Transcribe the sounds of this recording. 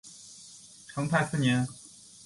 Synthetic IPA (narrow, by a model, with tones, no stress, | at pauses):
ʈ͡ʂʰɤ˧˥ŋt̪ʰa˧˥ɪsɹ̩˥˩njɛ˧˥n